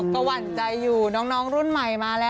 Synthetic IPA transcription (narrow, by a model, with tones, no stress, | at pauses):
ka˧wa˨˩nt͡ɕa˧jːuː˨˩nɔː˦˥ŋnɔː˦˥ŋɾu˥˩nma˨˩jmaː˧lɛː˦˥